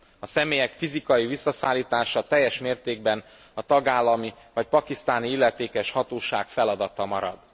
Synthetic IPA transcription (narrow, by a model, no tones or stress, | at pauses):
ɒsɛmeːjɛkfizikɒjivisːɒsaːlːiːt̪aːʃɒt̪ɛjːɛʃmeːrt̪eːɡ̚bɛn | ɒt̪ɒɡaːlːɒmi | vɒc̚pɒkist̪aːniilːɛt̪eːkɛʃhɒt̪oːʃaːkfɛlɒd̪ɒt̪ɒmɒɾɒ̰d̪̥